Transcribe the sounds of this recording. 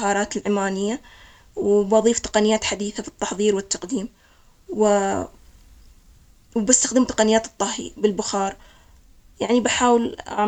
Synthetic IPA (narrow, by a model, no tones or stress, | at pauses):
hɑːɾˤɑːt̪ɪlʕɪmaːnɪjːa | wbɑðˤiːft̪ɑ̥qɑnɪjːaːt̪ħad̪iːθabɪt̪ˤːɑħðˤiːɾwɪt̪ːɑqd̪iːm | wɪ | wbɪst̪axd̪ɪmt̪ɑ̥qɑnɪjːaːt̪ɨt̪ˤːɑhḭbɪlbʊxɑːɾˤ | jaʕnibaħaːwɪlʔa̰ʕ